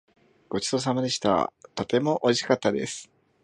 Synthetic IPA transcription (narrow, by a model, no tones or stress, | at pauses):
ɡ̥o̞t͡ɕi̥t̪os̬amad̪e̞ɕi̥t̪a̰t̪o̞t̪e̞mo̞ʔo̞iɕi̥kat̪ːad̪e̞̰sɨ̥